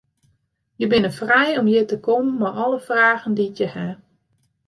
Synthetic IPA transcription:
jəbɪnəfrɛjɔmjətəkʰommaʔɔlˠəfraːɣənditjəhɛ

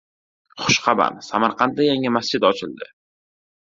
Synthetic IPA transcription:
χʊʃqʰɑba̰msamaɾqɑnt̪̚d̪ajaŋɪmasd͡ʒɪd̪ɒt͡ʃʰɪld̪ɪ

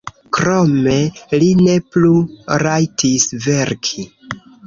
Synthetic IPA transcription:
kɾo̞me̞line̞pluɾajtʰisve̞ɾkʰi

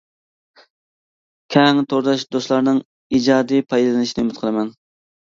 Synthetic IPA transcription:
kʲʰɛŋt̪ʰoɾd̪ɑʃd̪oslˠɑɾnɨŋ | id͡ʒɑːd̪ipʰɑjd̪ɨlˠɨnɨʃinɪmɛt̪̚qʰəlˠɨmɛn

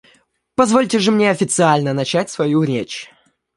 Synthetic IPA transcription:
pɐzvolʲtʲɪʐɨmnʲeɐfʲɪt̪sɨalʲnənɐt͡ɕæt̚ʲsvɐjuɾʲet͡ɕ

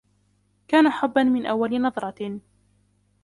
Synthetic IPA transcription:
kaːnaħʊbːanmɪnʔawːalɪnɑðˤɾˤɑ

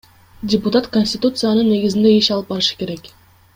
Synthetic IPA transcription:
dʲɪpʊt̪at̪konʲsʲtʲɪt̪ut̪sɨjanɯnːe̞ɡizind̪e̞iʃɑlˠɯp̚bɑɾɯʃɯ̥ke̞ɾe̞k

